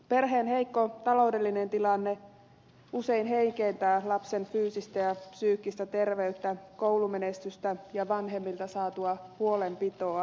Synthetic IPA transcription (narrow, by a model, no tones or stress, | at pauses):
pe̞rɦeːnɦeikːot̪ɑlo̞ude̞lːinent̪ilɑnːe | useinɦeiŋkeːnt̪æːlɑpsenfyːsist̪æjɑpsyːkːist̪æt̪e̞rʋeyt̪ːækowlumenest̪yst̪æjɑʋɑnɦe̞mːilt̪ɑsɑːt̪uɑhuo̞lempit̪oɑ